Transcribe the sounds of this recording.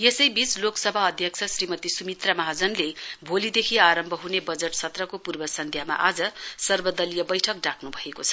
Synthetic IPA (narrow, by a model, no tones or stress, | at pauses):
jesʌjbit͡sloksʌbʱaʌd̪ʱjʌk̚t͡sʰʌsrimʌt̪isumit̪rʌmaɦad͡zʌnlebʱolid̪ekʰiaɾʌmbʱʌɦunebʌd͡zeʈsʰʌt̪rʌkopurbʌsʌnd̪ʱjama̰ʔad͡zʌsʌrbʌd̪ʌlijʌbʌjʈʰʌk̚ɖakʰnubʱʌekot͡sʰʌ̥